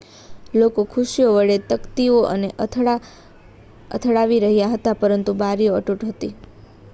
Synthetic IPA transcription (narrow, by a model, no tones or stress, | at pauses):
lokokʰuʃijoʋəɭet̪əkt̪ioʔə̰neʔ | ə̰t̪ʰɭaʋiɾəɦjaɦət̪apəɾənt̪ubaɾijoəʈuʈɦət̪i